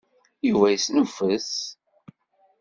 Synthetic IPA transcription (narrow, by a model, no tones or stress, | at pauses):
juvæjsnəfəs